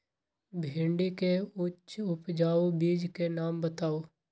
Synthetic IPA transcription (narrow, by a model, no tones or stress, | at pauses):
bʱɪ̃ɳɖikeʊtːt͡ʃʃʊpd͡ʒaːobiːd͡ʒkenaːmbət̪aːoː